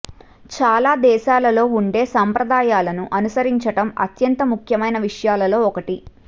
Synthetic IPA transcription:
t͡ʃaːlaːd̪ɛːʃaːlɐlo̞ːuɳɖe̞ːsaːmpɾɐd̪aːjaːlɐnuʔɐnusɐɾiɲt͡ʃɐʈɐmɐ̰t̪jɐnt̪ɐmukʰjɐmɐjnɐʋiʂɐjaːlɐlo̞ːɔkɐʈi

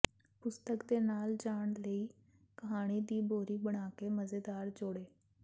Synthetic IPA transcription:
pʊst̪əkd̪eːnaːld͡ʒaːɳ̃ləiː | kəɦaːɽ̃iːd̪iːboːɾiːbəɽ̃aːkeːməzeːd̪aːɾd͡ʒoːɽeː

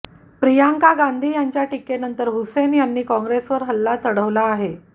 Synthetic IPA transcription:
pɾijaŋkaɡand̪ʱiːjaɲt͡ɕjaʈikːenənt̪əɾɦusenjanːiːkɔ̃ŋɡɾesʋəɾɦəlːat͡səɽəʋlaːɦe

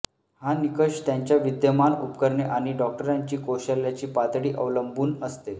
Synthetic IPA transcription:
hanikəɕt̪jaɲt͡ɕjaʋid̪jəmanupkəɾɳeʔaɽ̃iɖɔk̚ʈəɾaɲt͡ɕiːkoɕəljat͡ɕiːpad̪ɽiːʔəʋləmbuːnəst̪e

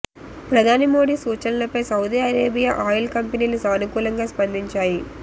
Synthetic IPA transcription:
pɾɐd̪ʱaːnimoːɽiːsuːt͡ʃɐllɐpɐjsɐwd̪iɐɾeːbijaʔaːjilkɐmpɐniːlusaːnukuːlɐŋɡaːspɐnd̪iɲt͡ʃaːji

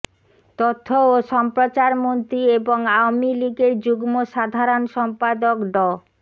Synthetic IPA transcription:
t̪ot̪ʰːooʃɔmpɾot͡ɕaɾmont̪ɾieboŋawmiliɡeɾd͡ʑuɡmoʃad̪ʱaɾonʃɔmpad̪okɖɔ

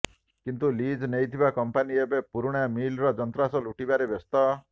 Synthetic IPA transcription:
kint̪ulid͡ʒnejt̪ʰibakɔmpaniebepuɾuɽ̃amilɾɔd͡ʒɔnt̪ɾasɔluʈibaɾebɔst̪ɔ

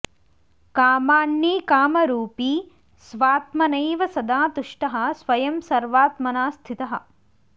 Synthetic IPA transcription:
kaːmaːɳːiːkaːmɐɾuːpiː | sʋaːt̪mɐnɐjʋɐsɐd̪aːt̪uʂʈɐɦɐ̆sʋɐjɐmsɐɾʋaːt̪mɐnaːst̪ʰit̪ɐɦɐ̰̆

